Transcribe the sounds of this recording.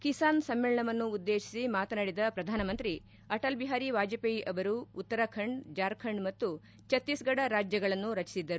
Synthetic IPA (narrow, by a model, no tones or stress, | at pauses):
kisaːnsɐmːeːɭɐɳɐʋɐnːuːd̪ːe̞ːʃi̥simaːt̪ɐnaːɽid̪ɐpɾɐd̪ʱaːnɐmɐnt̪ɾi | ɐʈɐlbiɦaːɾiʋaːd͡ʒɐpɐiʔɐʋɐɾuːt̪ːɐɾɐkʰɐɳɖd͡ʒaːɾkʰɐɳɖmɐt̪ːu | t͡ʃɐt̪ːisɡɐɽɐɾaːd͡ʒjɐɡɐɭɐnːuɾɐt͡ʃi̥sid̪ːɐɾu